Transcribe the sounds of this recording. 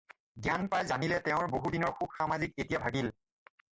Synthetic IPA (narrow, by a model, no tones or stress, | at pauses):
ɡjanpɹajzanilɛtɛʊ̃ɹboɦudinɔɹxub̚xamazik̚etijabʱaɡil